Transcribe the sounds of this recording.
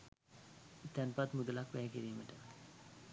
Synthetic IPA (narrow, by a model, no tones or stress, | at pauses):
t̪ænpat̪mud̪əlakʋæːkiɾiːməʈə